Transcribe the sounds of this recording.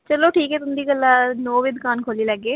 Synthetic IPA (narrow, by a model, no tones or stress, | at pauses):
t͡ʃəloːʈʰiːkɛːt̪ʊnd̪iːkəlːaːnoːʋɪd̪kaːnkʰoːlilaɡeː